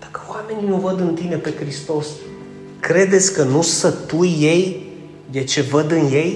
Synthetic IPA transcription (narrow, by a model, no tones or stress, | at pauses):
d̪̥akəoame̞ninuvəd̪ɨnt̪ine̞pe̞kɾist̪o̞s | kɾe̞d̪e̞t̪sʲkənusət̪ujːe̞j | d̪et͡ʃe̞vəd̪ɨnje̞j